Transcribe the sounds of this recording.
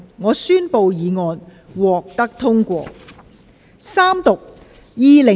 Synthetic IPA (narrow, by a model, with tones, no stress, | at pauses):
ŋɔː˨˧syː˥npo˧wjiː˨˧ŋɔː˧n | wɔː˨k̚t̪ɐ˥k̚t̪ʰʊ˥ŋkʷɔ̰ː˧ | saː˥mt̪ʊ˨k̚ | jiː˨˧lɪ˨˩